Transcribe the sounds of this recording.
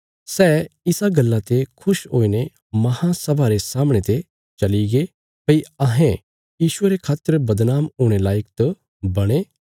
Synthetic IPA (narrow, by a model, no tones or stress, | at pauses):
sɛːɪsaɡɐlːat̪ekʰʊʃɦoːine | mɐhãsɐbʱaɾesaːmɽ̃et̪e | t͡ʃɐliɡe | pɐiɐɦẽ | jiːʃʊeɾekʰaːt̪ːəɾbɐd̪naːmʊːɽ̃elaːjəkt̪o | bɐɽ̃e